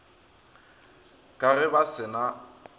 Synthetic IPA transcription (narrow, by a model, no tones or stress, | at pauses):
kʼarɪbasɪna